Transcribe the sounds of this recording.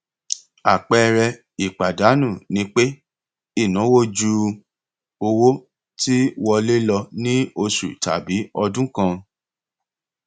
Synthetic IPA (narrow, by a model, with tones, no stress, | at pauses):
a˨k͡pɛ˦˧ɾɛ˧ | i˨k͡pa˨da˨˦nũ˦˨nĩ˧˦k͡pe˦ | i˦˨nũ˨˦wo˦d͡ʒu˧ | o˧wo˦ | ti˦wɔ˧le˦lɔ˧nĩ˦o˧ʃṵ˨ta̰˨bi˨˦ɔ˧dũ˦kã˧